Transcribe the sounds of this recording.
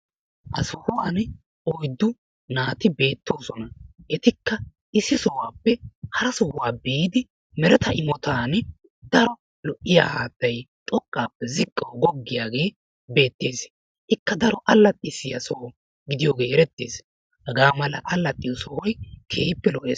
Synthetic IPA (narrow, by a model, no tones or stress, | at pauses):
ʔɐ̰sɔhɔwaːn | ɔjd̪ːʊ | naːt̪ɪbe̞ːt̪ːo̞ːsɔnɐʔɛt̪ɪkːɐ | ʔɪsːɪsɔwaːpːɛhɐɾɐsɔhwaːbiːd̪ɪ | mɛɾɛt̪ɐʔɪmɔt̪aːn | d̪ɐɾɔ | lɔʔɪja̰ːhaːt̪ːɐjt̪ʼɔkʼːaːpːɛzɪkʼːɐwɡɔɡːɪjaːɡe̞ː | be̞ːt̪ːe̞ːs | ʔɪkːɐd̪ɐɾɔʔɐlːɐt̪ʼːɪsɪjɐsɔhɔ | ɡɪd̪ɪjoːɡe̞ːɛɾɛt̪ːḛːs | hɐɡaːmɐlɐ̰ʔɐlːɐt̪ʼːɪjɔsɔhɔjkʰeːpːɛlɔʔḛː